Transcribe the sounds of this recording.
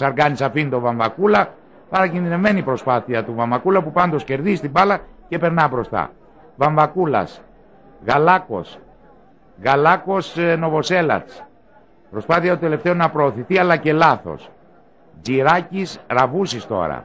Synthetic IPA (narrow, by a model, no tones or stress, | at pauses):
sɐɾɣɐnisɐfinit̪o̞vɐɱvɐkulɐ | pɐɾɐcinðinevme̞nipɾo̞spɐθiɐt̪uvɐɱvɐkulɐpupɐnd̪o̞sce̞ɾðist̪ibɐlɐce̞pe̞ɾnɐbɾo̞st̪ɐ̰ | vɐɱvɐkulɐ̰s | ɣɐlɐko̞̰s | ɣɐlɐko̞sno̞vo̞se̞lɐ̰t͡s | pɾo̞spɐθiɐt̪ot̪e̞le̞ft̪e̞onɐpɾo̞ːθiθiɐlɐce̞lɐθo̞̰s | d͡ziɾɐcisɾɐvusist̪o̞̰ɾɐ̰